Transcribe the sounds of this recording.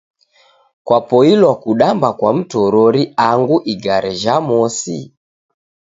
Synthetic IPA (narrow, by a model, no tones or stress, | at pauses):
kwapɔilwakuɗambakwam̩tɔɾɔɾiaŋɡuʔiɡaɾɛʒamɔsḭ